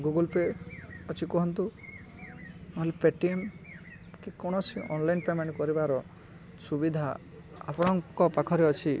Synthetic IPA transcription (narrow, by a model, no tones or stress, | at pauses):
ɡuɡɔlpeɔt͡ʃʰikuɦɔnt̪u | naɦlepeʈiem | kekɔɽ̃ɔsiʔɔnlajnpemanikɔɾibaɾɔ | subid̪ʱa | a̰pɔɽ̃ɔŋkɔpakʰɔɾeɔt͡ʃʰi